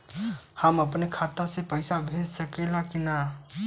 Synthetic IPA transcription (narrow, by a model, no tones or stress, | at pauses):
həməpnekʰat̪əɾsẽpəɪsabʱed͡ʒsəkelãkina